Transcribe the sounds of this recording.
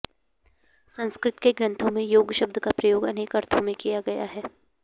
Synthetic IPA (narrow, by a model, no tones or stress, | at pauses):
sɐ̃nskɾɪt̪keɡɾɐ̃nt̪ʰõmẽjoːɡʃɐb̚d̪ʱəkapɾɐjoːɡɐneːkɐɾt̪ʰõmẽkijaɡɐja̰ɦɛː